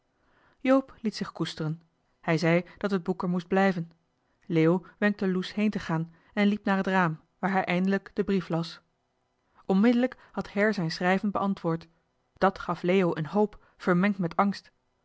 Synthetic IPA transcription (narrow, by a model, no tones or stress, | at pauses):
jowplitsɪχkustərən | hɛjzɛjd̥ɑtɦəd̚bukəɹmusd̚blɛjvən | leːjowʋɛŋk̚təlushejntəχaːn | ɛnlipnaːɹɦətraːm | ʋaːɹɦɛjʔɛjndələkd̥əbriflɑs | ɔnmɪdələk | hɑthɛɹzɛjnsrɛjvənbəʔɑntʋʊːɹt | d̥ɑtχɑflejowʔənɦowp | fəɹmɛŋktmɛtɑŋst